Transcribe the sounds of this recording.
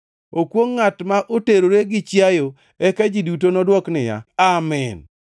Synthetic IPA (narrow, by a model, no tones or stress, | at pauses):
okwoŋːatmaʔoteɾoɾeɡɪt͡ʃjajo | ɛkad͡ʒidutonɔdwɔknɪja̰amɛn